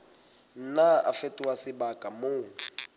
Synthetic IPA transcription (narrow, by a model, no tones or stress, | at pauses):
n̩naa̰fetʼiwasɪbakʼamoːŋ